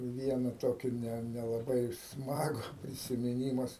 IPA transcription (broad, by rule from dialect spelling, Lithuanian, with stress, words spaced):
ˈʋʲiɛnɐ ˈtoːkʲiː nʲɛ nʲɛlˠɐˈbɐɪ ˈsmɑːɡʊ pʲrʲɪsʲɪmʲɪˈnʲiːmɐs